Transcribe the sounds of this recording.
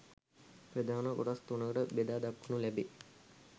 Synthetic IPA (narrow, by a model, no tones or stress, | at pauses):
prəd̪aːnəkoʈast̪unəkəʈəbed̪aːd̪akːunulæbe